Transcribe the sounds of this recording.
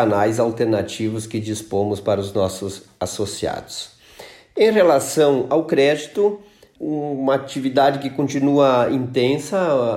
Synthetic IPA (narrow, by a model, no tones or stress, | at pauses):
anajzawt̪eɾnat͡ʃivʊskɪd͡ʒispõmʊspaɾɐʊznɔsʊzasosia̰d̪ʊs | ẽj̃ʁelasɐ̃w̃awkɾɛd͡ʒit̪ʊ | ũmɐat͡ʃivid̪ad͡ʒɪkɪkõnt͡ʃinuɐĩnt̪ẽsɐ